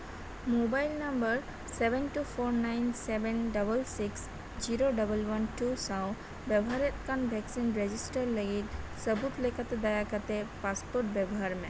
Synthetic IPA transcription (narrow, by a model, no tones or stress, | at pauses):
mobajlnəmbəɾ | sɛbɛnʈupʰoɾnajnsebɛnɖəbəlsiks | d͡ʒiɾoɖəbəlwənʈusãw | bɛbɔɦaɾet̪̚kanbʱɛksinɾed͡ʒisʈəɾləɡit̪̚səbut̪lekat̪ed̪ajakat̪epaspoɾʈ̚bɛbɔɦaɾmɛ